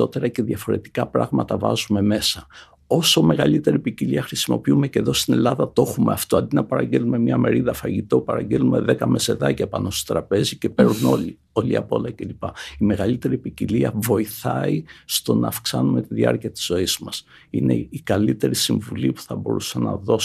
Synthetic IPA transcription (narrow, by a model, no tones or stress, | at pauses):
o̞t̪e̞ɾɐce̞ðjɐfo̞ɾe̞̰t̪i̥kɐpɾɐ̰ɣmɐt̪ɐvɐ̰zume̞me̞sɐ | o̞so̞me̞ɣɐlit̪e̞ɾipiciliɐxɾisimo̞̰piume̞ce̞ðo̞st̪ine̞lɐðɐt̪o̞xume̞ɐft̪oɐnd̪inɐpɐɾɐɲɟelumemɲɐme̞ɾiðɐfɐʝit̪o̞pɐɾɐɲɟelume̞ðe̞kɐme̞se̞ðɐcɐpɐ̰no̞st̪o̥t̪ɾɐpe̞zice̞pe̞ɾuno̞li | o̞liɐ̰po̞lɐce̞lipɐime̞ɣɐlit̪e̞ɾipiciliɐvo̞iθɐ̰ist̪o̞nɐːfksɐnume̞t̪iðiɐ̰ɾciɐt̪i̥z̥o̞iz̥mɐs | ḭne̞̰ikɐlit̪e̞ɾisiɱvulipu̥θɐbo̞ɾusɐnɐ̰ðo̞